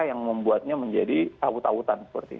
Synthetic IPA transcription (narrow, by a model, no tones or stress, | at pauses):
jaŋməmbuat̪̚ɲaməɲd͡ʒadit̪awut̪awut̪ansə̥pərt̪i